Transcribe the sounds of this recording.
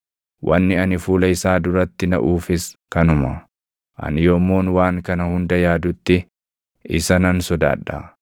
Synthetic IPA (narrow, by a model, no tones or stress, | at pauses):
wʔɐ̰nːɪɐnɪfuːlɐɪsaːd̪ʊɾɐt̪ːɪnɐ̰ʔuːfɪskɐnʊmɐ | ʔɐ̰nɪjoːmːoːnwaːŋkɐnɐhʊnd̪ɐjaːd̪ʊt̪ːɪ | ɪsɐnɐnsɔd̪a̰ːᶑːa̰